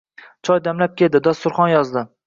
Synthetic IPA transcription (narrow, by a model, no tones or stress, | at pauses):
t͡ʃʰɒjd̪amlap̚kʲʰeld̪ɪd̪ɒst̪ʊɾχɒnjɒzd̪ɪ